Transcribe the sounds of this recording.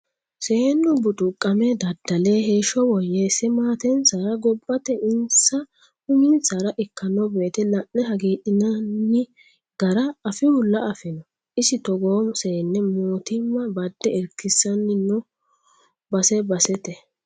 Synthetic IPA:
seːnːɔbʊtʼʊkʼːɐmɛd̪ɐd̪ːɐleːɦeːʃɔwɔjesɛmaːt̪ɛnsaɾɐɡɔbʼːɐt̪ɛʔɪnsɐ | hʊmɪnsaɾɐʔɪkːɐnːɔbe̞ːt̪ɛlɐʔːɛɦɐɡeːᶑɪnɐnːɪ | ɡ̥ɐɾɐɐfɪwʊlːɐɐfɪnɔ | ʔɪsɪt̪ɔɡoːmseːnːɛmoːt̪ɪmːɐbɐd̪ːɛɛɾkːɪsːɐnːɪnːʊ | bɐsɛbɐsɛt̪ɛ

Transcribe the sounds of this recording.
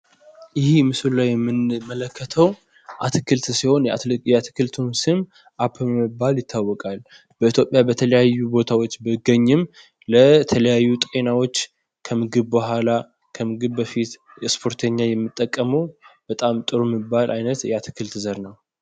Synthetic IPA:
jɪhimɨsɨllawjɛmːɨnmələkːət̪ʰəw | ʔat̪ʰɨkʰɨlt̪siho̞njɛat̪ʰɨkɨlt̪ʰumsɨm | ʔapʰːmɨbːaljɪt̪ʰːawːɔkʼal | bəit̪ʰjo̞pʼːjabət̪ʰələjajːubo̞t̪ʰawot͡ʃːbɨɡəɲːɨm | lət̪ʰələjajːut̪ʼe̞nawot͡ʃː | kʰəmɨɡɨβbəhʷala | kʰəmɨɡɨβbəfit̪ | spʰo̞ɾt̪ʰəɲːajɛmːɨt̪ʼːəkʼːəməwb̥ət̪ʼamt̪ʼɨɾumɨbːalʔajnət̪jɛat̪ʰɨ̥kʰɨlt̪ɨzəɾnəw

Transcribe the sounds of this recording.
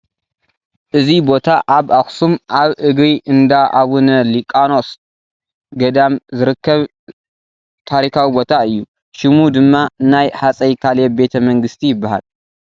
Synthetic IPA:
ʔɨzibo̞t̪ʰaʔaβʔaxsumʔaβʔɨɡɾiʔɨnd̪aʔaβunɐlikʼano̞s | ɡɐd̪amzɨɾɨkːɐβ | t̪ʰaɾikʰawibo̞t̪ʰaɨjːu | ʃɪmud̪ɨmːanajħat͡sʼɐjkʰalebe̞t̪ʰɐmɐŋɡɨst̪ʰijɪbːaha̰l

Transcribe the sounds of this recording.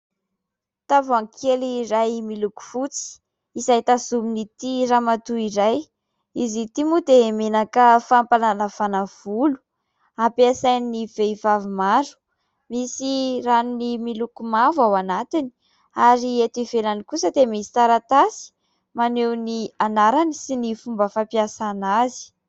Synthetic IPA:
t̪avaŋkʰeliɾajmiluku̥fut͡si̥ | izajt̪azuminit̪iramat̪uiɾaj | izit̪imud̪emenakəfampalanəfanav̥ulu̥ | apeasajnniv̥eivavimaɾu̥ | misiranunimilukumavawanat̪ini̥ | aɾiet̪ivelanikusəd̪emisi̥t͡s̪aɾat̪asi̥ | manewnianaɾanisinifumbəfapiasanazi̥

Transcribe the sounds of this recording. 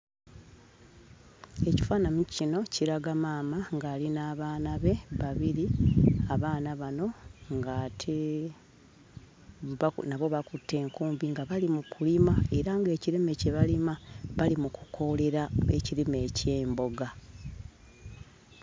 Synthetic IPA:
e̞ci̥faːnamucino̞cʰiɾaɡamaːmaŋɡaːlinaːβaːnaβe̞βaβiɾiaβaːnaβano̞ŋɡatʰe | βnaβo̞βakutʰːe̞ːŋkuːmbiŋɡaβalimukulimae̞ɾaŋɡe̞ːciɾime̞ceβalimaβalimuku̥kʰo̞le̞ɾae̞̰ciɾime̞ːceːmbo̞ɡa

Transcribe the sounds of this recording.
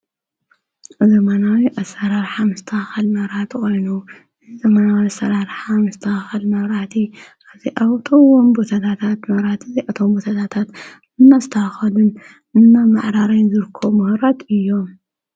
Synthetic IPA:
zɐmanawiʔasɐɾaɾħamɨst̪ʰaxɐlmɐβɾat̪kʰo̞jnu | ɨzɐmanawiasɐɾaɾħamɐst̪ʰaxɐlmɐβɾat̪ʰiʔaziʔawt̪ʼuwombot̪ʰat̪ʰat̪ʰat̪mɐβɾat̪ʰiziʔat̪ʰo̞mbot̪ʰat̪ʰat̪ʰat̪ | ɨnːast̪ʰaxɐlun | ɨnːamaʕɾaɾajnzɨɾɨkʰːomɨhɾat̪ɨjːo̞

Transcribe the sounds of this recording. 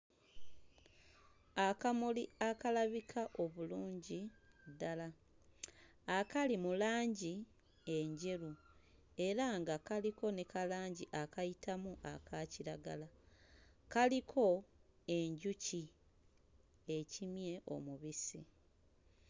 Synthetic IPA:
akamuliakalaβikʰaʔo̞βuluːɲɟidala | kalimulaːɲɟi | e̞ɲɟe̞ɾu | e̞ɾaŋɡakaliko̞nekalaːɲɟiʔakajitamuʔakʰaciɾaɡa̰la | kalikʰo̞ | e̞ɲɟuci | ecimje̞ʔo̞̰muβisḭ

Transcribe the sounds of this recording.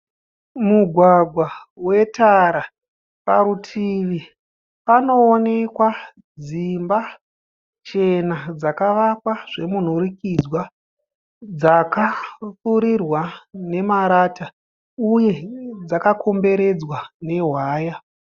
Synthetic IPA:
muɡʱwaɡʱwawe̞taɾa | paɾutʰiʋi | pano̞ːne̞kwa | d͡zimba | t͡ʃe̞nad͡zakaʋakwaʐe̞mun̤urikid͡zwa | d͡zakafuɾirwane̞maɾata | uje̞d͡zakakʰo̞mbe̞ɾe̞d͡zwane̞ɦwaːja

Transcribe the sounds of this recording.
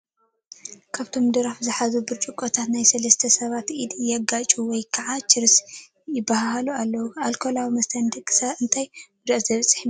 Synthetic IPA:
kʰaβt̪ʰo̞md̪ɨɾafzɨħazubɨɾt͡ʃʼukʼːot̪ʰat̪najsɐlɐst̪ʰɐsɐβat̪ʔid̪jɛɡat͡ʃʼuwɔjkʰɐʕat͡ʃʰɨɾɨs | jɪbːaɦahalualːɐwualkʰo̞lawimɐst̪ʰɐnd̪ɨkʼːɨ̥sɐɨnt̪ʰajmʊd̪azɐβɐt͡sʼːħin

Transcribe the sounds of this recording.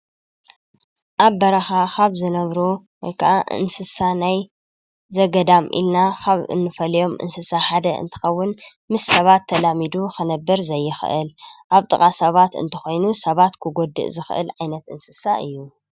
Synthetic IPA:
ʔaβːɐɾaxaxaβzɨnɐβɾo | ɨŋkʰaʔaʔɨ̰nsɨsanaj | zɐɡɐd̪amʔḭlnakʰaβɨ̰nːɨfɐlɐjo̞mʔɨ̰nsɨsaħad̪ɐʔɨ̰nt̪ʰɨ̥xɐwːʊn | mɨsːɐβat̪ʰːɐlamid̪uxɨnɐbːɨɾzɐjːɪxʔɨ̰lʔaβt̪ʼɨkʼasɐβat̪ɨ̰nt̪ʰɐxo̞jnusɐβat̪kʰɨɡo̞d̪ɨ̰ʔzɨxʔɨ̰lʕajnɐt̪ɨ̰nsɨsaʔɨjːu

